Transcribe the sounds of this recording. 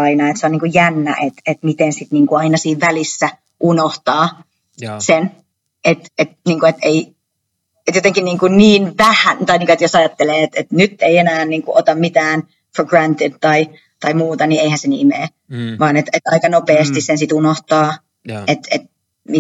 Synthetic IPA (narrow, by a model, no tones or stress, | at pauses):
ɑinɑet̪seoniːŋkujjænːæ̰ʔet̪et̪mit̪ensit̪niːŋkuɑinɑsiːʋʋælisːæ | ʔunoht̪ɑː | sen | et̪et̪niːŋkuet̪ei | et̪jot̪eŋkinniːŋkunniːnʋæhænt̪ɑiniːŋkuet̪josɑjɑt̪ːeleːet̪et̪nyt̪ːeienæːnniːŋkuʔot̪ɑmmit̪æːn | fɡrænt̪id̪t̪ɑi | t̪ɑimuːt̪ɑnieihænsenḭmeː | ʋɑːnet̪et̪ɑ̰ikɑnopeːst̪issensit̪unoht̪ɑː | et̪ḛt̪̚ | mi